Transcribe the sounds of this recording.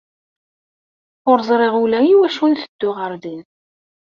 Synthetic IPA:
ʊɾzˤɾˤeʁulæjiwæʃunθəd̪̥ːʊʁəɾðin

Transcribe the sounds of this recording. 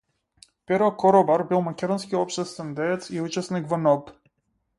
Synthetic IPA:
pɛɾɔkɔɾɔbaɾbilˠmakʲɛd̪ɔnskiɔpʃt̪ɛst̪vɛnd̪ɛt̪siut͡ʃɛsnikvɔnɔp

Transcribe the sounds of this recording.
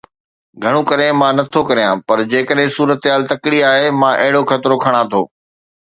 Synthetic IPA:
ɡʱɐɽ̃ũkɐɾẽmãːnɐt̪ʰokɐɾijãpɐɾd͡ʑeːkəɗɦɪ̃suːɾət̪ɦaːlt̪ɐkɪɽiaːɦemãːʔɐɦɪɽoxʰɐt̪ɪɾokʰɐɽ̃ãt̪ʰo̰ː

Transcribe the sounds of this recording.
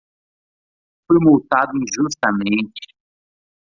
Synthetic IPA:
fojmowt̪ad̪ʊĩʒust̪ɐmẽnt͡ʃɪ̥

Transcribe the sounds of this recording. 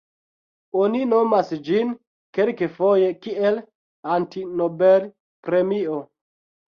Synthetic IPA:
onino̞masd͡ʒin | kelkefojekiel | antinobel | pɾemio

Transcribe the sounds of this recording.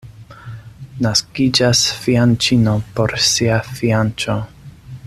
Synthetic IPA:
naskid͡ʒasfiant͡ʃinopo̞ɾsiafiant͡ʃo

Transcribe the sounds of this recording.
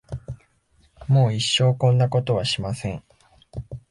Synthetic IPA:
mo̞ːiɕːo̞ːkõ̞nd̪ako̞t̪o̞βaɕimasẽ̞ɴ

